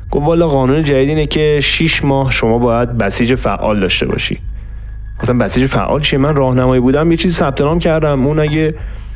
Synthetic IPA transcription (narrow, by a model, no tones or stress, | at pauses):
ɡ̥ofvɒːlːɒːɣɒːnuːned͡ʒæd̪iːd̪iːnecʰe̞ʃiːʃmɒːhʃo̞mɒːbɒːjæd̪̚bæsiːd͡ʒefæ̰ʔːɒ̰ːld̪ɒ̰ːʃt̪e̞bɒ̰ːʃḭ | ɡ̥oft̪æmbæsiːd͡ʒefæ̰ʔːɒ̰ːlt͡ʃʰiemænrɒːhnæmɒːjibuːd̪æmjet͡ʃʰiːzisæb̚t̪ʰe̞nɒːmcʰæɾd̪æmunæɟe